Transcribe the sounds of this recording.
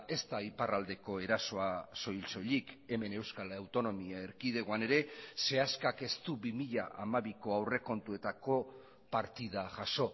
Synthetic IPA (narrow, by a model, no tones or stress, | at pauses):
e̞st̪aiparald̪e̞ko̞e̞ɾaso̞aso̞jlso̞ʎike̞me̞ne̞wskalawt̪o̞no̞miaeɾkiðeɣoane̞ɾe̞se̞askake̞st̪ubimiʎaʔamaβiko̞awre̞ko̞nt̪ue̞t̪ako̞ | paɾt̪ið̞aʝaʃo̞